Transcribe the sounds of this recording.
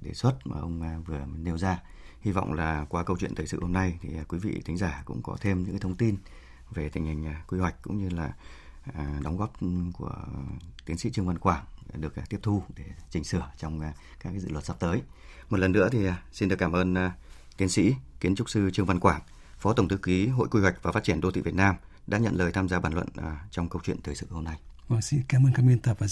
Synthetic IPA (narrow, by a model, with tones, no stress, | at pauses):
ɗḛ˧˩swə˦˥t̚ma̰ː˨˩ʔə˧wŋ͡mvɨ˨˩ə˦ne˧wzaː˧ | hi˧vɔ̰˧˨wŋ͡mlaː˨˩kwaː˧kə˧wt͡ɕwḭ˧˨ət̪ʰəː˨˩sɨ̰˧˨ho˧mna˧jt̪ʰi˨˩˨kwi˨˦vḭ˧˨t̪ʰï˨˦ŋ̟zaː˧˩kʊ̰˧˥ŋ͡mkɔ̰˨˦t̪ʰe˧mɲɨ̰˧˥kaː˨˦t̪ʰə˧ŋ͡mt̪i˧n | ve˨˩t̪ï˧˩ŋ̟hï˨˩ŋ̟ʔkwi˧hwa˨˩jk̟̚kʊ̰˧˥ŋ͡mɲɨ˧laː˨˩˨ | ɗɔ˨˦ŋ͡mɣɔ˦˥p̚ku˧˩ət̪i˨˦ənsḭ˧˥t͡ɕɨ˧əŋva˧nkwaː˧˩ŋɗɨ˨˩ək̚t̪i˦˥əp̚t̪ʰu˧ɗe˧˩t͡ɕï˨˩ŋ̟sɨ˧˩ət͡ɕɔ˧wŋ͡mkaː˦k̚ːa˨jzɨ̰˧˨wə˨˩t̚sa˦˥p̚t̪əː˨˦jmo˨˩t̚lə˨˩nːɨ̰˧˥ət̪ʰi˨˩˨si˧nɗɨ˨˩əkːaː˧˩mʔəː˧nt̪i˨˦ənsḭ˧˥ki˨˦ənt͡ɕʊ˦˥k͡p̚sɨ˧t͡ɕɨ˧əŋva˧nkwaː˧˩ŋ | fɔ˨˦t̪ə˧˩wŋ͡mt̪ʰɨ˨˦ki˨˦ɦo̰˧˨jkwi˧hwa˨˩k̟̚vaː˨˩faː˦˥t̚t͡ɕi˧˩ənɗo˧t̪ḭ˧˨vi˨˩t̚naː˧m | ɗa̰ː˧˥ɲə̰˧˨nləː˨˩jt̪ʰaː˧mzaː˧ɓaː˧˩nlwə̰˧˨n˨˩t͡ɕɔ˧wŋ͡mkə˧wt͡ɕwḭ˧˨ənt̪ʰəː˨˩sɨ̰˧˨ho˧mna˧j | va˨˩ŋsi˧kaː˨˦məː˧nka˨˧mi˧nt̪ə˨˩vaː˨˩